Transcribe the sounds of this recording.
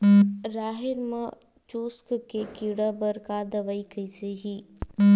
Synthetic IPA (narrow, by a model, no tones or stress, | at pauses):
ɾaːɦɪɾmã | t͡ʃuːskkekiːɽabəɾkaːd̪ɐʋɐikɐiseɦiː